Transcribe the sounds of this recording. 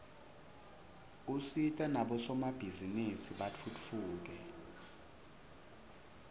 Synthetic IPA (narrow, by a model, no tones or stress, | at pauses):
usitʼanaɓɔsɔmab̥ʱizinisiɓat͡fʰut͡fʰuːk̬ɛ